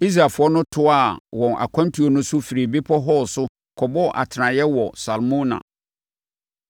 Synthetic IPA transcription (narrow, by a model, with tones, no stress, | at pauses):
i˦s̬ɾa˨fʊ˨˦ɔ˦nʊ̃˦tʰʊ˦a˦˨wɔ̃˨nʔa̰˨kʷʰã˦ntʰu˨˦o˦nʊ̃˦sʊ˦fi˨ɾi˨bi˦pʰɔ˦ɦɔ˦sʊ˦ | kʰɔ˨bɔ˦ʔa̰˨tʰɪ˨nã˨jɛ˦wɔ˨sa˨lmũ˦nã̰˨